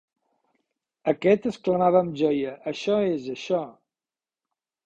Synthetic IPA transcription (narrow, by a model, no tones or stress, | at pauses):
əkɛt̪əskləmaβəːmʒɔjəʔːʃɔezəʃɔ